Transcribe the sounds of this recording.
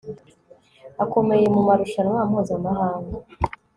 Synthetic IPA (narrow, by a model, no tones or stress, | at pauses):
ako̞me̞je̞mumaɾuʃanŋaːmhuːzamahaːŋɡa